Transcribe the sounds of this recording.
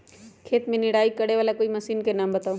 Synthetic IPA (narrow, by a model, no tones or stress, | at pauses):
kʰeːt̪mẽnɪɽaːikɐɽeʋaːlakoːimɐsiːnkenaːmbɐt̪aːu